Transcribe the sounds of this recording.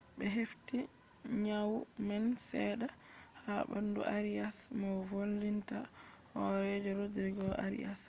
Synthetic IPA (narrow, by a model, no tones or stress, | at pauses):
bɛɦefti | ɲaw | mɛnsɛda | habandṵʔaɾiasmɔvolːinta | hɔɾɛd͡ʒɔɾɔdɾiɡɔʔa̰ɾḭa̰s